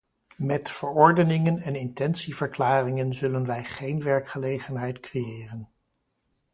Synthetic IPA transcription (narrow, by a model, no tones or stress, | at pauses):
mɛtfəɹɔɹdənɪŋənɛnɪntɛnsiv̥əɹklaːrɪŋənzɵlənʋɛjχejnʋɛɹkχəlejχənɦɛjtkrejɪːrən